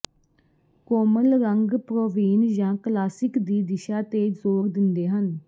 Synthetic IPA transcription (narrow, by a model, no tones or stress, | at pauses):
koːməlɾəŋɡpɾoːʋiːnjãːklaːsɪkd̪iːd̪ɪʃaːt̪eːzoːɾd̪ɪnd̪eːɦən